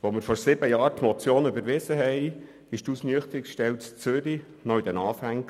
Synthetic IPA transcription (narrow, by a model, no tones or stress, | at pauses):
ʋomɪɾfɔɾsɪbəjɑːɾt̪mɔt͡sjoːnybəɾʋɪzəɦɛɪ | ɪʃtusnyəχt̪əɾikʃtɛwtt͡søɾi | nɔid̥̪ɛnɑːfæŋ